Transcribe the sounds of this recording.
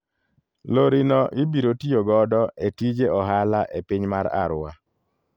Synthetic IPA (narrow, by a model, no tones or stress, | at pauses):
loɾinɔʔɪbiɾotijoɡɔdɔetid͡ʒeʔɔɦalaʔepiɲmaɾa̰ɾʊa